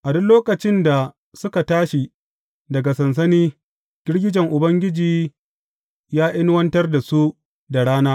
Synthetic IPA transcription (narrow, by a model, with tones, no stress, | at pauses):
ʔa˨dʊ˦nloː˦kɐ˨t͡ʃɪ˦nda˨ | sʊ˦ka˨taː˦ʃi˨ | dɐ˨ɡa˨sɐ˨ns̬ɐ˦niː˦ | ɡ̥ʲɪ˦ɽɡʲɪ˦d͡ʒɛ˨ŋʔʊ˨bɐ˦ŋɡʲɪ˦d͡ʒiː˨ | jaː˦ʔɪ˦n˦wɐ˦ntɐ˦rda˨su˦ | da˨ɽaː˦naː˦